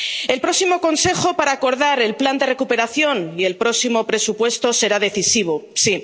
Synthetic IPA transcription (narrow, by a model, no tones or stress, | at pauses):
e̞lpɾo̞simo̞ko̞nse̞xo̞paɾaːko̞ɾðaɾe̞lpland̪e̞re̞kupe̞ɾaθjo̞nie̞lpɾo̞simo̞pɾe̞supwe̞st̪o̞se̞ɾaðe̞θisiβosi